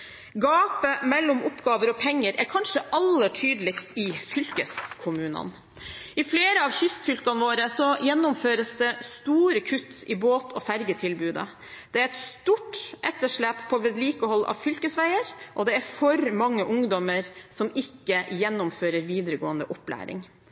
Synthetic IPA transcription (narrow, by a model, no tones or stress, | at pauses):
ɡɑːpəmɛlːʊmʊpːɡɑːʋəɾɔpʰɛŋːəɾæɾkʰɑnʂəʔɑlːəʈʰyːd̪əlɪkst̪ɪfʏlkəskʰʊmʉːnə̰n | ɪfleːɾəɑʋçʏst̪fʏlkɑnʋoːɾəsɔjɛnːʊmføːɾəsd̪ɛst̪uːɾəkʰʉt̪ːɪboːt̪ʰɔfæɾɡət̪ʰɪlbʉːd̪ə̰ | d̪̥ɛæɾɛt̪st̪uːʈʔɛt̪ːəʂɭæːppʰɔʋɛd̪liːkəhɔlːɑ̰ʋfʏlkəsʋæɪəɾʔɔd̪ɛæɾfɔɾmɑŋːəʔʊŋd̪ɔməɾsɔmɪkːəjɛnːʊmføːɾəɾʋiːd̪əɾəɡoːənd̪əʔɔplæ̰ːɾɪ̰ŋ